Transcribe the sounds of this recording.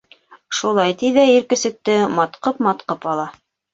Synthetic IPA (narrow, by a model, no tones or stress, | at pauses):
ʃulˠɑjt̪iðæiɾkɘ̆sɘ̆k̚t̪ɘmɑt̪qɤpmɑt̪qɤpɑlˠɑ